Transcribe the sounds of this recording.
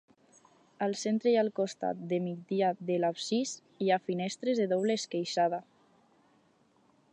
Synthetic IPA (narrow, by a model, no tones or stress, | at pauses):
alˠsent̪ɾejalˠkost̪a̰t̪̚d̪emid̪iaðelapsis | iafinɛst̪ɾezðeðoβleskejʃaða